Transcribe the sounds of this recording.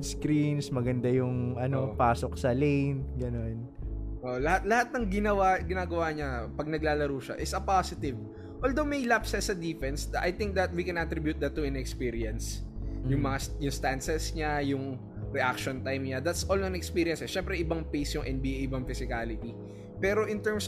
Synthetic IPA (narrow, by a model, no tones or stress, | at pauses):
skɾinsmɐɡɐnd̪ajʊŋʔɐnopaːsok̚sɐlejnɡɐnonʔoʔlɐhat̪̚lɐhat̪̚nɐŋɡɪnɐwaɡɪnaːɡɐwaːɲɐpɐɡ̚nɐɡ̚laːlɐɾuːʃa̰ʔɪt̪sɐpasɪt̪ɪv | ʔoːld̪owmɐjlapsɛsɐd̪ifɛnsd̪ɐʔajt̪ɪŋk̚d̪ɐt̪̚wikɛ̃nʔɐt̪ɾɪbjʊt̪̚d̪ɐt̪ːʊɛnɛkspiːɾɪɐnsjʊŋmɐŋasjʊŋst̪ansɛsɲajʊŋ | ɾɛʔak̚ʃont̪ajmɲad̪at̪sʔoːlnɐnɛkspiɾɪɐnsɛʃɛmpɾɛʔɪbɐŋpejsjʊŋʔɛnbiːʔʔɪbɐŋfɪsɪkalɪt̪i | pɛːɾo̞ʔɪ̃nt̪ɛɹms